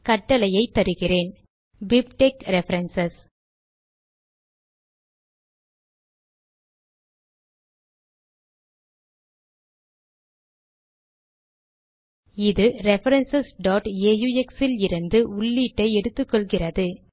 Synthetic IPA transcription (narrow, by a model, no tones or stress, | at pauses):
kɐʈːɐlɐjɐɪt̪ːɐɾɯɣɪreːn | bɪpʈeːkɾɛfɐɾɛnsɐs | ɪðɯɾɛfɐɾɐnsɐsɖaːʈeːjuːɛksɪlɪɾɯnd̪ɯʊɭːiːʈːɐɪɛɽɯt̪ːɯkːɔɭɣɪrɐðɯ